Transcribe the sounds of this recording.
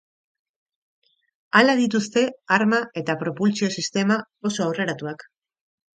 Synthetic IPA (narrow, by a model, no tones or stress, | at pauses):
alaðit̪ust̪e̞aɾmae̞t̪apɾo̞pult͡sio̞sist̪e̞ma | o̞so̞awre̞ɾat̪uak